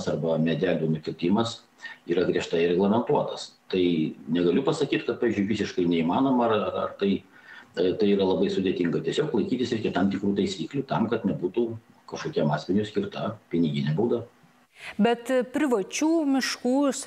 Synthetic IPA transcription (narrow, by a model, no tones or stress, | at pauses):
sɐrbɐmʲɛd̪ʲæːlʲuːnʊkʲɪlʲt̪ʲɪmɐs | iːɾɐɡɾʲiɛʃt̪ɐɪɾʲɛɡlˠɐmʲɛnt̪uɔt̪ɐst̪ɐɪnʲɛɡɐlʲʊpɐsɐkʲiːt̪kɐt̚pɑːʋʲɪzʲd͡ʒʲʊɪʋʲisʲɪʃkɐɪnʲɛiːmɑːnoːmɐɐrɐɐ̰rt̪ɐɪ | t̪ɐɪiːɾɐlˠɐbɐɪsʊd̪ʲɛt̪ʲiŋɡɐt̪ʲiɛsʲoːklˠɐɪkʲiːt̪ʲɪsɪɾʲkʲɛt̪ɐmt̪ʲɪkɾuːt̪ɐɪsʲiːklʲuːt̪ɐmkɐt̪nʲɛbuːt̪uː | kɐʃkoːkʲɛmɑːsʲmʲɪnʲusʲkʲɪrt̪ɐpʲɪnʲɪɡʲɪnʲɛbuːd̪ɐʋɐ | bʲɛt̪pʲɾʲɪʋɐt͡ʃʲuːmʲɪʃkuːs